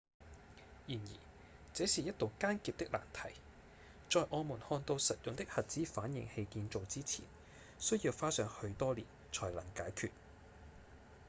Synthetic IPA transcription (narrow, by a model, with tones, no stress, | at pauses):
jiː˨˩njḭː˨˩ | t͡sɛː˨˥siː˨jɐ˥t̚t̪o˨wkaː˥nkiː˨˧p̚t̪ɪ˥k̚la̰ː˨˩nt̪ʰɐ˨˩j | t͡ʃɔː˨˧jʔɔː˨˧muː˨˩nhɔː˧nt̪o˧wsɐ˨t̚jʊ˨ŋt̪ɪ˥k̚hɐ˨t̚t͡siː˨˥faː˨˥njɪ̰˨˩ŋhe˧jkiː˧nt͡so˨˧wt͡siː˥t͡sʰḭː˨˩n | sɵ˥ɥjiː˧wfaː˥sœː˨˧ŋhɵ˧ɥt̪ɔː˥liː˨˩n | t͡ʃʰɔː˨˩jlɐ˨˩ŋkaː˨˥jkʰyː˧t̚